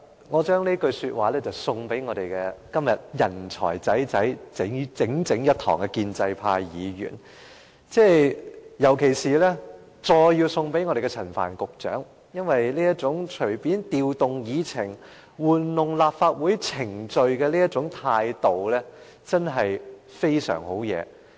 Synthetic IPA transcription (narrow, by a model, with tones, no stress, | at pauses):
ŋɔː˨˧t͡ʃœː˥ŋliː˥kɵ˧ɥsyː˧t̚waː˨˧lɛː˥t͡sɐ˨˩wsʊ˧ŋpe˨˥jŋɔː˨˧ɾe˨jkɛ˧kɐ˥mjɐ˨t̚jɐ˨˩nt͡ʃʰɔ̰ː˨˩jt͡sɐ˨˥jt͡sɐ˨˥jt͡sɪ˨˥ŋt͡sɪ˨˥ŋt͡sɪ˨˥ŋjɐ˥t̚t̪ʰːɔ̰ː˨˩ŋkɛ˧kiː˧nt͡sɐ˧jpʰaː˧jiː˨˧jy̰ː˨˩n | t͡sɛː˥˩jɐ˨˩wkʰe˨˩jsiː˨lɛː˥ | t͡sɔː˧jjiː˧wsʊ˧ŋpe˨˥jŋɔː˧ɾe˨jkɛ˧t͡sʰɐ˨˩nfa̰ː˨˩nkʊ˨k̚t͡ʃœ̰ː˨˥ŋ | jɐ˥nwɐ˨jliː˥jɐ˥t̚t͡sʊ˨˥ŋt͡ʃʰɵ˨˩ɥpiː˨˥nt̪iː˧wt̪ʊ˨ŋjiː˨˧t͡sʰɪ˨˩ŋ | wuː˨˩nlʊ˨ŋlaː˨p̚faː˧t̚wuː˨˥jt͡sʰɪ˨˩ŋt͡ʃɵ˨˧ɥkɛː˧liː˥jɐ˥t̚t͡sʊ˨˥ŋt̪ʰaː˧jt̪o˨wlɛː˥ | t͡sɐ˥nɦɐ˨jfe˥jsœ̰ː˨˩ŋho˨˥wjɛ̰ː˨˧